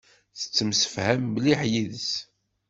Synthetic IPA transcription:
θə̥t͡sːəmsə̥fhæmːliħjiðəs

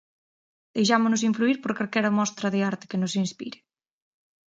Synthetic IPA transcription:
d̪̥ejʃ̬amonos̬iɱfluiɾpoɾkaɾkɛɾɐmɔst̪ɾɐðɪaɾt̪ɪ̥kenosinspḭɾe

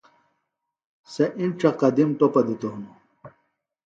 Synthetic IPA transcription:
seʔinʈ͡ʂɐqɐd̪imt̪opɐd̪it̪oɦunu

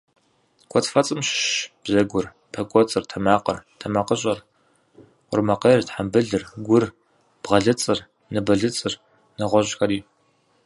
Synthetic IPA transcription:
kʷʰʼɔt͡sfɐt͡sʼɨmʃʃb̥zɐɡʷʊr | pʰɐkʷʼɔt͡sʼɨrtʰɐmaːqɐ̰rtʰɐmaqəɕʼɐr | qʷʊ̰rmɐqejrtħambɨɮɨrɡʷʊr | b̥ʁɐɮɨt͡sʼɨr | nɨbɐɮɨt͡sʼɨr | nɨʁʷɔʑxɐɾiː

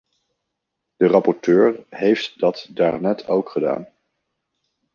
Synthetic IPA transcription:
d̥ərɑpɔɹtøːɹɦejftdɑtdaːɹnɛtʰowkχəda̰ːn

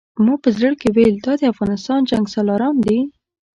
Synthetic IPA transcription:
muɡ̚pəzɾəɽkeweld̪ɑd̪əafɣɑnɪst̪ɑnd͡ʒaŋɡsɑlɑɾɑnd̪i

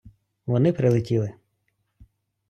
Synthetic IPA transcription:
ʋɔnɪpɾɪlˠɪtʲilˠɪ

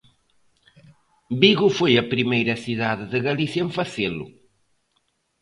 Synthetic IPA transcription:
biɣʊfojɐpɾimejɾɐsiðaðɪðɨɣɐliθjɐẽɱfɐselʊ̰

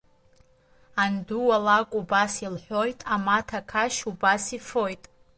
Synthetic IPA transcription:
anduwalakʷʼubasilħʷojtʼamatʰakʰaʃubasifo̞jtʼ

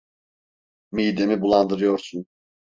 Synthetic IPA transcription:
mijd̪e̞mibulˠand̪ɯɾɯjo̞ɾsun

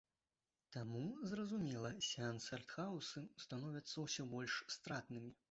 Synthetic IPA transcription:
t̪amuzrɐzumʲɛlˠɐsʲɛnsʲɛrt̪xawsɨst̪anɔvʲɐt̪sːɐwsʲɔbɔlʲʂst̪ɾat̪nɨmʲi

